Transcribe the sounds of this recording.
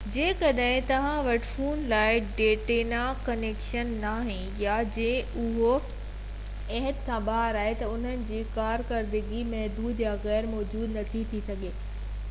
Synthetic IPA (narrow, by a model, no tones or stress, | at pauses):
d͡ʑeːkɐɗɦɪ̃t̪ɐʋ̤ãʋɐʈfuːnlaːɪɖeːʈeːnakɐneːkʃənːaːɦɪ̃ | jad͡ʑẽːʊɦo | ɛɦət̪kʰãːɓaɦɾaːɦet̪ɐʊn̤ənɪ̆d͡ʑiːkaːɾkɐɾd̪ɪɡimɛɦd̪uːd̪jaɣɛːɾmɔːd͡ʑuːd̪nɐt̪ʰit̪ʰisɐɠeː